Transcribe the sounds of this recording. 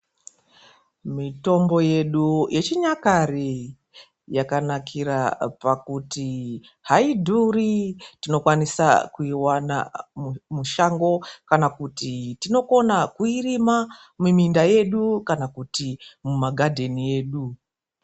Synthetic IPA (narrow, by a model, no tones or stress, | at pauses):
mito̞mbo̞je̞ɗujʔe̞t͡ʃiɲakari | jakanakʰiɾapakuti | haidʱuritino̞kwanisa̰kuiwana̰mmuʃaŋɡo̞kanakutitino̞ko̞nakuirima | mumindaje̞ɗukanakutimumaɡʱadʱe̞nie̞ːɗu